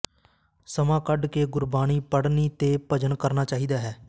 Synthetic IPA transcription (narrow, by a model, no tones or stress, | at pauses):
səmãːkəɖkeːɡʊɾbaːñiːpəɽniːt̪eːpəd͡ʒənkəɾnaːt͡ʃaːɦiːd̪aːɦɛː